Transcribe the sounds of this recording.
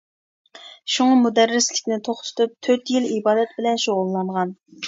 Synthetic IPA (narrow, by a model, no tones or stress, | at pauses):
ʃuŋɑmud̪æɾːɪslɪkʲnɪt̪ʰoχt̪ʰʊ̥t̪ʰup̚t̪ʰøt̪jilibɑːd̪ɛt̪̚bɪlɛnʃoʁʊlˠːɑɴʁɑn